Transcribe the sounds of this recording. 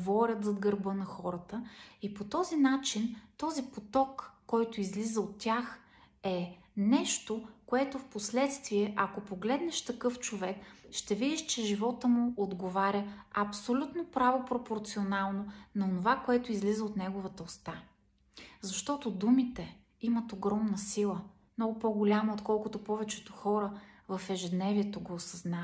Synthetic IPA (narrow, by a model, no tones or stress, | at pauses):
vɔɾʲət̪zɐd̪ɡəɾbɤnɐxɔɾət̪əipot̪ɔzinat͡ʃint̪ɔzipot̪ɔkːɔjt̪ʊizlizəot̪ːʲax | ɛ | nɛʃt̪okoɛt̪ofposlɛt̪st̪viɛʔɐkopoɡlɛd̪nɛʃt̪ɐkɤft͡ʃovɛkʃt̪ɛvid̪iʃt͡ʃɛʒivɔt̪əmʊod̪ɡovaɾʲəɐpsolʲut̪nopɾavopɾopoɾt̪sionalˠnonɐonovakoɛt̪ʊizlizəot̪nɛɡovət̪əost̪a | zɐʃt̪ɔt̪od̪umit̪ɛ | imɐt̪oɡɾɔmnəsilˠə | mnɔɡʊpoɡʊlʲaməot̪kɔlˠkʊt̪opɔvɛt͡ʃɛ̥t̪oxɔɾəvɐfɛʒɛd̪nɛviɛt̪oɡoːsɐzna